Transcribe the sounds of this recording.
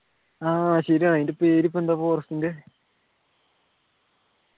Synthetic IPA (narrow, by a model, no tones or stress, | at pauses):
aːɕɐɾiaɳindepeːɾip̬ːend̪aːpoːrɐst̪ːindɨ